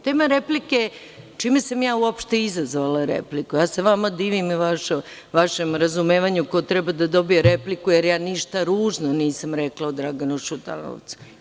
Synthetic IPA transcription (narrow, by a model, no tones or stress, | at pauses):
t̪eːmaɾeplike | t͡ʃiːmesamjaːuopʃt̪e̞izazʋalaɾḛplikujaːseʋamad̪iːʋimʋaʃo | ʋaʃemɾazumeːʋaɲukot̪ɾɛbad̪ad̪o̞bijeɾeplikujeɾjaːniʃt̪aɾuːʒnoniːsamɾeklˠaod̪ɾaɡanuʃut̪a̰no̰ʋt̪su̥